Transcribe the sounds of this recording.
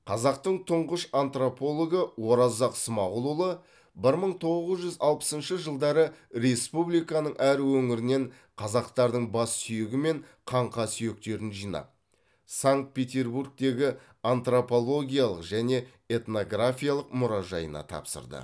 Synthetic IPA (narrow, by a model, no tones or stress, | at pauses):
qʰɑzɑqt̪əɴt̪ʰʊɴʁəʃant̪ropo̞lˠoɡəwo̞ɾɑzɑqsəmɑʁʊlˠulˠə | bɪɾməɴt̪ʰo̞ʁəzʒʏzɑlˠpə̥sənʃəʒəlˠd̪ɑɾəɾe̞spublijkɑnəɴʔæɾwɵŋɪɾɪne̞ɴ | qʰɑzɑqt̪ɑɾd̪əɴbɑsːʏjɪɡʲɪme̞ɴqʰɑɴqɑsʏje̞k̚t̪e̞ɾɪnʒijnɑ̰p̚ | saŋkt̪̚pʲe̞t̪ʲe̞rburk̚t̪e̞ɡʲɪ | ant̪ropo̞lˠo̞ɡʲijalˠəqʒæne̞ | e̞t̪no̞ɡrafʲijalˠəqmʊɾɑʒɑ̰jə̰nɑ̰t̪ʰɑ̰psə̰ɾd̪ə̰